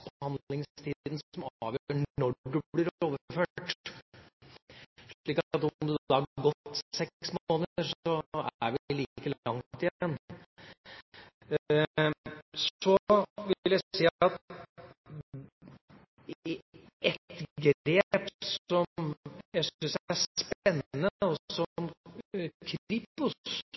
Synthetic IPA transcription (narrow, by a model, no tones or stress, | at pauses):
bəhɑnd̪lɪŋst̪ʰiːd̪n̩sɔmɑʋjɳɳɔɖɖʉb̪ɪɾoːʋəføːʈ | ʂɭiːkɑt̪ɔmd̪ʉɑɑɡɔt̪ːsɛksmoːnəəɾsɔæɾʋɪliːkəlɑŋt̪ɪjɛnː | sɔʋɪljæɪsiːɑt̪ | ɛt̪ɡeːpsɔmjæɪsʏnsææspɛnːəɔsɔm | kʰipʊ